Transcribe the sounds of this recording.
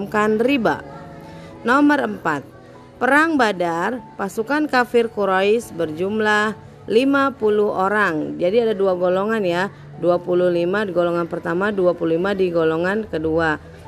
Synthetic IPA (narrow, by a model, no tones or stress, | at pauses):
mkanriba̰ | nɔməɾəmpat̪̚ | pəɾaŋbadarpasukankafɪrkuɾoɪsbərd͡ʒumlah | limapuluhoɾaŋd͡ʒadiadaduaɡolɔŋanja | duapuluhlimadiɡolɔŋanpərt̪amaduapululimadiɡolɔŋankədua